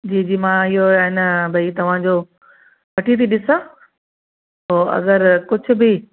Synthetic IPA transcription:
d͡ʑiːd͡ʑiːmãɪɦoɦɪnbʱɐit̪ɐʋ̤ãd͡ʑoː | ʋɐʈʰit̪ʰiɗɪsa | oːɐ̰ɡəɾkʊd͡ʑʰʱʊ̆bɪ

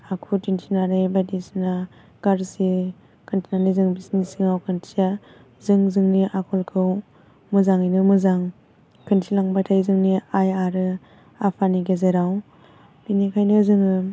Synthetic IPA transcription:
akʰutinsʰinaɾejbadisina | ɡ̥aɾsi | kʰɯntʰinanizɯŋbisnisiŋawkʰɯntʰia | zɯŋzɯŋniʔakʰɔlkʰɯw | mɯzaŋɯjnɯmɯzaŋ | kʰɯnsʰilaŋbatʰajzɯŋniajaɾɯ | apʰaniɡezeɾaw | binikʰajnɯzɯŋɯ

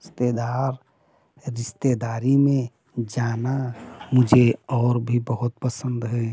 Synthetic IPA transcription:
ɪst̪ed̪aɾ | ɾɪst̪ed̪aɾimẽ | d͡ʒanamʊd͡ʒʱeɔːɾbʱibəɦʊt̪̚pəsənd̪ɦɛ

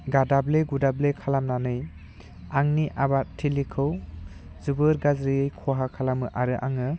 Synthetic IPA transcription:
ɡadableɡudablekʰalamnanɯj | aŋniʔabatʰilikʰɯw | zubɯɾɡazɾiɯjkʰɔɦakʰalamɯʔaɾɯʔa̰ŋɯ

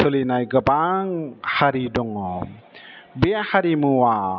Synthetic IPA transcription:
olinajɡəbaŋhaɾidɔŋɔ | behaɾimuwa

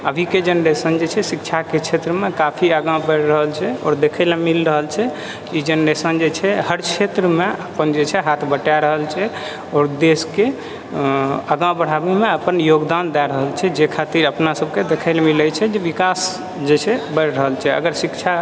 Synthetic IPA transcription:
əbʱiked͡ʒenɾesənd͡ʒet͡ʃʰɛsikt͡ʃʰaket͡ʃʰet̪ɾəmekapʰiəɡãbəɾɾəɦəlt͡ʃʰɛɔ̰ːɾd̪ekʰəɪlamilɾəɦəlt͡ʃʰɛ | id͡ʒenɾesənd͡ʒet͡ʃʰɛɦəɾt͡ʃʰet̪ɾəmeəpənd͡ʒet͡ʃʰɛɦat̪ʰbəʈaɾəɦəlt͡ʃʰɛ | ɔːɾd̪eske | əɡãbəɽ̤abemeəpənjoɡd̪and̪ɛɾəɦəlt͡ʃʰɛd͡ʒekʰat̪iɾəpnasəbked̪ekʰəɪlmilət͡ʃʰɛd͡ʒeʋikas | d͡ʒet͡ʃʰɛbəɾɾəɦəlt͡ʃʰɛə̰ɡəɾsikt͡ʃʰa

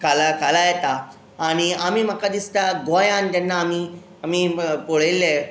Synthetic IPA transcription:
kalakalajɛt̪aː | ɽ̃iam̤iːm̤akad̪ist̪aɡojãnt̪ɛnːaːmi | am̤iːpoɭelːe

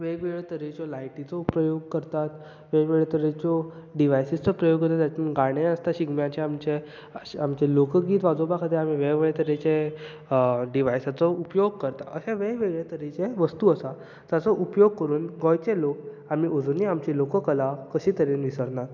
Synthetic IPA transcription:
ʋeɡʋeɭt̪əɾet͡ɕɔlajʈit͡sɔpɾəjoɡ̚kəɾt̪at̪ | ʋeʋeɡɭet̪əɾet͡ɕɔɖiʋajsist͡sɔpɾəjoɡkəɾt̪at̪jat͡ɕmnɡaɽ̃eəst̪aɕiɡmjat͡ɕeamt͡ɕe | əamt͡ɕelokəɡiːt̪ʋad͡zobakʰat̪eam̤iʋeʋeɭet̪əɾet͡ɕe | ɖiʋajsat͡sɔupjoɡ̚kəɾt̪aəɕẽʋẽʋeɡɭet̪əɾet͡ɕeʋəst̪uəsa | d͡zat͡sɔʔupjoɡ̚kəɾuːnɡɔjt͡selok̚ | amiːʔod͡zuniamt͡ɕilokəkəlakəɕiːt̪əɾenʋisəɾnaɾ

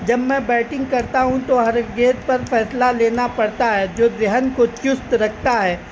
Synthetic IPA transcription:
d͡ʒɐbmɛ̃bɛːʈɪ̃ŋɡ̚kɐɾt̪aɦũt̪oɦɐɾɡeːt̪̚pɐɾfɛːslaleːnapɐɽt̪aɦɛːd͡ʒoːd̪ɾɛɦənkot͡ʃʊst̪ɾɐkʰt̪aɦɛː

